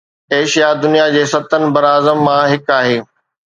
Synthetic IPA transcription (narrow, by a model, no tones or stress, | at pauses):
eːʃijad̪ʊnijad͡ʑeːsɐt̪ənɪ̆bɐɾaːzəmːãɦɪkaːɦeː